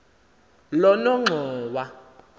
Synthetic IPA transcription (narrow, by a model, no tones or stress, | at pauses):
lɔnɔŋ͡ǁʱɔːwa